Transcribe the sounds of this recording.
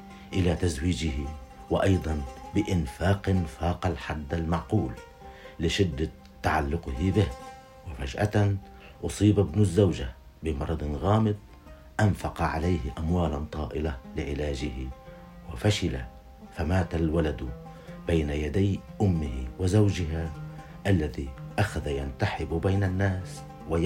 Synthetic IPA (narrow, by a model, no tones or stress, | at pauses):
ʔɪlat̪azwiːd͡ʒɪhɪ | wɪʔɑjd̪ˤɑnbɪʔɪnfaːqnfaːqalħad̪ːalmaʕquːlː | ɪʃɪd̪ːa | t̪ːaʕalːʊqɪhɪbɪh | wɪfaʒʔat̪an | ʔʊsˤiːbabnʊzːawʒa | bɪmɑɾˤɑd̪ˤnɣaːmɨd̪̚ˤ | ʔanfaqɑʕa̰lajhʔamwaːlant̪ˤɑːʔɪlalɪʕɪlaːʒɪhɪ | wɪfaʃɪla̰ | famaːt̪alwalad̪ | bajnajad̪ajʔʊmːɪhɪwɪzawʒɪɦa | ʔalːaðiʔaxaðajant̪aħɪbbajnanːaːs | wa